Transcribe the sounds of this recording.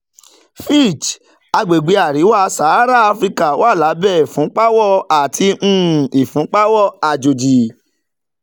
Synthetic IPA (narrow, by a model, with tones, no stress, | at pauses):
fi˦˨t͡ʃ | a˧ɡ͡be˨ɡ͡be˨˧˦a˨ɾi˨˦wa˦˧˦sa˨˦ɾa˦a˧fɾi˦ka˦˨wa˦˨la˨˦bɛ˦˨fũ˨˦k͡pa˦wɔ˦a˨tʰĩ˧˦˨i˨fũ˨˦k͡pa˦wɔ˦a˨d͡ʒo˨d͡ʒi˨